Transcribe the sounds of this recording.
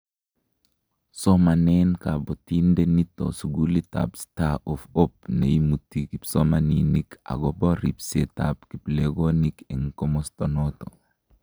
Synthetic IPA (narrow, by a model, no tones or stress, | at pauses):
somanenkabɔtindenitːo̰suɡulita̰pstaufop̚nḛjimutːikibsomaninika̰ɡɔboɾipseta̰pkipleɡonikɛŋkomɔstonoto̰